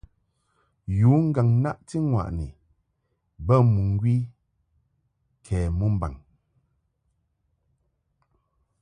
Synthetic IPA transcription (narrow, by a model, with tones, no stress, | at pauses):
juː˨˦ŋ̩˦ɡa˨ŋna˦ʔti˦ŋwa̰˨ʔni˨ | bə˦mu˨ŋ˦ɡwi˦ | kʰɛː˨mu˦m̩˦ba̰˨ŋ